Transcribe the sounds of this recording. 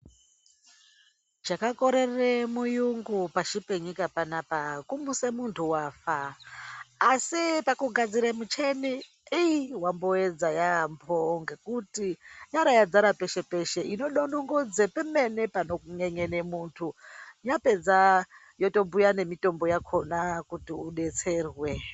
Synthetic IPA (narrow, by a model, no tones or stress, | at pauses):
d͡ʒakako̞ɾe̞remujuŋɡupaʃipe̞ɲikapanapakumusemuntʰuwaːfaː | sipakuɡʱad͡ziɾemut͡ʃe̞ni | iiwambo̞ed͡zajampʰoŋɡekutijaɾajad͡zaɾape̞ʃe̞pe̞ʃe̞ʔino̞ɗonoŋɡod͡zepeme̞ne̞pano̞kuŋeŋe̞ne̞muːntʰujape̞d͡za | joto̞mbujane̞mito̞mbo̞jakʰo̞nakutiuɗe̞t͡se̞ːrwe̞